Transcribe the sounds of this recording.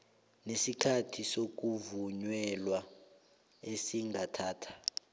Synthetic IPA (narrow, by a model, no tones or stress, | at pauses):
nesikʰatʰisok̬uvuɲwɛlwa | esiŋatʰaːtʰḁ